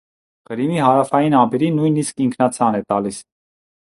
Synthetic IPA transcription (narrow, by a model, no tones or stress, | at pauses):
ʁ̥əɾimiɦɑɾɑfɑjinɑbɛɾinujniskiŋkʰnɑt͡sʰɑnɛt̪ɑlis